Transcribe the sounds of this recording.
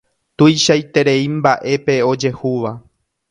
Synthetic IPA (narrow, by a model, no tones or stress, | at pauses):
t̪ujʃajt̪e̞ɾe̞ĩmbaʔe̞pe̞o̞d͡ʒe̞huʋa